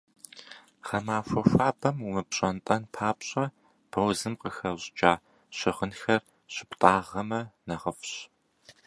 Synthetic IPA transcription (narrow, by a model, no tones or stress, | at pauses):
χɐmaːfʷɐfʷaːbɐmumɨpɕʼɐntʼɐnpʰaːpɕʼɐ | b̥ɐwzɨmqəxɐʑd͡ʒʼaː | ɕɪʁənxɐr | ɕɪptʼaːʁɐmɐnɐʁəfɕ